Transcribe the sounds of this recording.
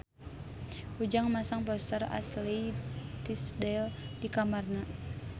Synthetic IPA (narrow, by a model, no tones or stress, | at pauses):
ud͡ʒaŋmasaŋp̬ɔst̪əra̰slit̪isdɛldikamarna